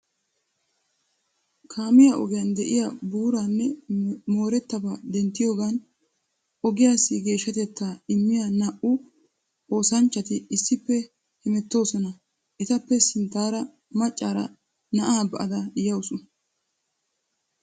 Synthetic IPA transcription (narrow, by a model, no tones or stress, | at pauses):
kʰaːmɪjaʔɔɡɪjɐnd̪ɛʔɪjabuːɾanːɛmo̞ːɾɛt̪ːɐbad̪ɛnt̪ːɪjo̞ːɡan | ʔɔɡɪjaːsːɪɡe̞ːʃːɐt̪ɛt̪ːaɪmːɪjanɐʔʊ | o̞ːsɐnt͡ʃːɐt̪ɪɪsːɪpːɛ | hɪmɛt̪ːo̞ːsɔnɐ | ʔɛt̪ɐpːɛsɪnt̪ːaːɾɐ | mɐt͡ʃʼːaːɾɐ̰ | nɐʔaːbɐʔɐd̪ɐjɐwʊsʊ